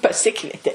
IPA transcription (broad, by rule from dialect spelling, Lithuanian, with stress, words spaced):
pɐˈsʲɪkʋʲiɛtʲeː